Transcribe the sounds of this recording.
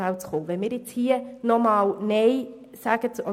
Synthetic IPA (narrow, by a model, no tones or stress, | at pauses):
awt͡sχoːʋɛnmiːɾjɪt͡shiːənɔmɑːlneɪ | saːɡ̥ət͡sɔ